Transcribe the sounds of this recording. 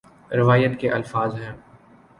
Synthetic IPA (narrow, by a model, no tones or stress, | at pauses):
ɾɪʋaːjət̪keʔɐlfaːzɦɛ̃ː